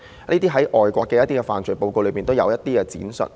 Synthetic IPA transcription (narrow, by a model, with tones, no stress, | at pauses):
niː˥t̪iː˥ɦɐ˨˥jʔɔː˨jkʷɔː˧kːɛː˧jɐ˥t̪iː˥kɛː˧fa̰ː˨˩nt͡ʃʰɵ˨˩po˧wko˧wlɥmiː˨nt̪o˥wjɐ̰˨˧wjɐ˥t̚t̪iː˥kɛ˧t͡sḭː˨˥nsɵ̰˨t̚